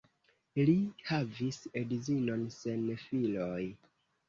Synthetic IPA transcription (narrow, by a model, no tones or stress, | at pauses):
lihavisedzino̞nse̞nfiloj